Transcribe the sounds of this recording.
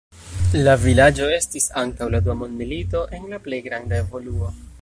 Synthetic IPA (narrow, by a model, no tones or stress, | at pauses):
lavilad͡ʒo̞e̞stisaŋkawladuamo̞ndmilito̞ʔe̞nlaple̞jɡɾandae̞vo̞luo̞